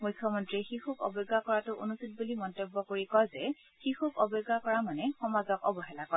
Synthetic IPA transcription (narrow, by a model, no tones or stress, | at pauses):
mujkʰːjɔmɔntɹiɛxixukɔ̰bɔɡakɔɹatʊʔonustit̚bulimɔntebːɔkoɹikɔjzɛ | xixukɔbɔɡakɔɹamanɛxɔmazɔkɔbɔɦɛlakɔ